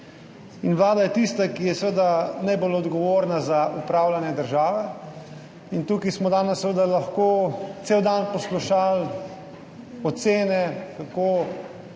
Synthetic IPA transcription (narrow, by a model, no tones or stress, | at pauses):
inʋlaːd̪ajɛt̪ist̪akijɛsʋəd̪anajbolɔd̪ɡɔʋoːɾnazaupɾaːwlanɛd̪əɾʒaːʋɛ | int̪ukismɔd̪aːnɛssːʋəd̪alaxkoːt̪seːwd̪anpɔsluʃal | ɔt̪seːnɛkakoː